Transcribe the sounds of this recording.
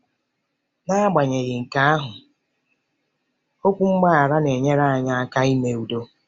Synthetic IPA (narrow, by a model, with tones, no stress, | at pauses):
na˦ɡ͡ba˨ɲe˨ɣɪ˨ŋ̩˨ka˦a˦ɦʊ˨ | o˦kʷu˦ŋ͡m̩˦ɡ͡ba˦a˨ɾa˦ne˨ɲe˦ɾa˦a˨ɲa˦a˦ka˦i˦me˨u˨do˦